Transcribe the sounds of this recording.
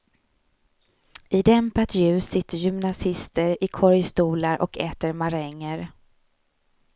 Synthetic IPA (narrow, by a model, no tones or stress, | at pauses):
ɪd̪ɛmpat̪jʉ̟ːsːɪt̪ːəɾjʏmnasɪst̪əɾɪkʰɔɾjst̪uːlaɾʔɔ̰kʰɛːt̪əɾmaɾɛŋːəɾ